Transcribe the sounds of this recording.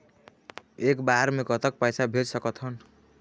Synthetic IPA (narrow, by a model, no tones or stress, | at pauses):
ekbaɾmekʌt̪ʌk̚pajsabʱeɾsʌkʌt̪ʰʌn